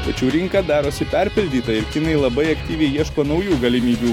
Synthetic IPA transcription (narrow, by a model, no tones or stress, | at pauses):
t̪ɐt͡ʃʲɛʊɾʲɪŋkɑd̪ɑːɾoːsʲɪpʲɛɾʲpʲɪlʲd̪ʲiːt̪ɐɪɾʲkʲɪnɐɪlˠɐbɐɪɐkt̪ʲiːʋʲɛɪjiɛʃkoːnɒʊjuːɡɐlʲɪmʲiːbʲuː